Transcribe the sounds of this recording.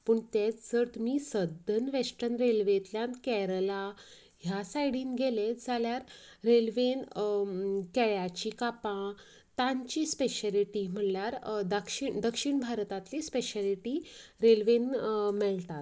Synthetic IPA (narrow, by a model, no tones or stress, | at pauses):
pəɳt̪et͡st͡səɾt̪miːsəd̪ʱənʋesʈənɾelʋet̪ljãnkɛɾəla | ɦjasajɽiːnɡeled͡zʱaljaɾɾelʋen | kɛɭjat͡ɕikapã | t̪ãɲt͡ɕiːspeɕaliʈim̤əljaɾd̪əkʂiɳd̪əkʂiɳbʱaɾt̪at̪lispeɕaliʈiɾelʋenmɛlt̪at̪